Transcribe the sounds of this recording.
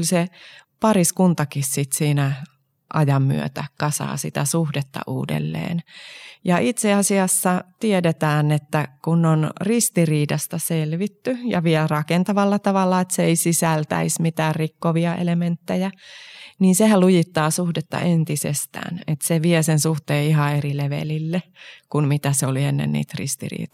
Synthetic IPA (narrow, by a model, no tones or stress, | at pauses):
lʲsepɑriskunt̪ɑkissit̪siːnæ | ʔɑjɑmːy̰ø̰t̪ækɑsɑ̰ːsḭt̪æsuhdet̪ːɑ̰ʔṵːdḛlːḛːnjɑʔit̪seɑsiɑsːɑt̪iedet̪æːnet̪ːækunːonrist̪iriːdɑst̪ɑselʋit̪ːyjɑ̰ʋiɛlrɑkent̪ɑʋɑlːɑt̪ɑʋɑlːɑet̪seeisisælt̪æ̰ismit̪æːrrikːoʋiɑʔḛlement̪ːejæniːnsehælujit̪ːɑːsuhdet̪ːɑ̰ʔent̪isḛst̪æ̰ːnet̪seʋiesensuht̪eːiɦɑerileʋḛlilːekunmit̪æseolienːḛnnḭːt̪rḭst̪ḭrḭːt̪